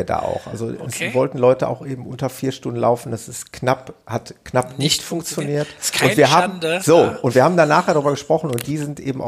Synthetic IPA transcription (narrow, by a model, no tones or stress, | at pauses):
ɐda̰ːʔa̰ʊxʔa̰lzo̰ɛsvɔltn̩lɔʏtəʔa̰ʊxʔeːbm̩ʔʊ̰ntɐfiːɐʃtʊndn̩la̰ʊfn̩d̥asɪstknaphatknapnɪçtfʊŋkt͡sjoniːɐtʊnv̥iːɐɦaːmz̥oːʔʊntv̥iɐhaːbm̩danaːxjeːɾaʁyːbɐɡəʃpʁ̥ɔχn̩ʊnt̚d̥iːzɪntʔḛːbm̩ʔa̰ʊ